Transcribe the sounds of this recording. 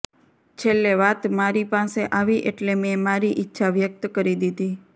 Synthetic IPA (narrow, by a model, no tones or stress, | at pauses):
t͡ʃʰelːeʋat̪maɾipaseʔaʋiʔeʈlemẽmaɾiʔɪtːʃʰaʋjək̚t̪kəɾid̪id̪i